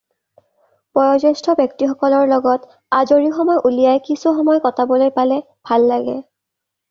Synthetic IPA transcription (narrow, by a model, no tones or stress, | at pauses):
pɔɹɔzɔstʰɔbjɔk̚tixɔkɔlɔɹlɔɡɔt | azoɹixɔmɔjʔulijajkisuxɔmɔjkɔtabolojpalɛ | bʱalːaɡɛ̰